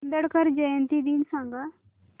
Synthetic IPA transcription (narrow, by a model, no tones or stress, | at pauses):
nd̪əɽkəɾd͡ʒəjənt̪iːd̪insãːŋɡaː